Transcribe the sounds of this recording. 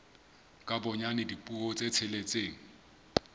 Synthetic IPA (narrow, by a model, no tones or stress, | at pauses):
kʼabɔɲanɪdipʼuɔt͡sʼet͡sʰɪlet͡sʼeːŋ̩